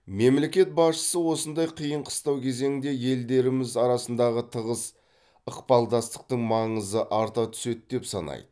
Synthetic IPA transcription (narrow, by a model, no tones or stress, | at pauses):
me̞mle̞kʲe̞t̪̚bɑsʃə̥səwo̞sənd̪ɑjqʰijəɴqʰə̥st̪ɑwkʲʰe̞ze̞ŋɪnd̪e̞je̞ld̪e̞ɾɪmɪzɑɾɑsənd̪ɑʁət̪ʰəʁəs | əqpɑlˠd̪ɑst̪ə̥q̚t̪əɴmɑɴəzəʔɑɾt̪ɑt̪ʰʏ̥se̞t̪̚d̪e̞psɑ̰nɑ̰jd̪̥ə